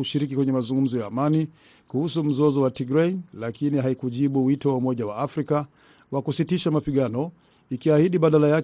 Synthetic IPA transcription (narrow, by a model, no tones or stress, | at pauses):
uʃiɾik̬ikwɛɲɛmazuŋɡum̩zɔjaːmani | kuhusum̩zɔzɔwatiɡɾɛlakiniɦaikuʄiɓuwitɔwaumɔʄawaafɾika | wakusitiʃamapiɠanɔ | ikiahiɗiɓaɗalaja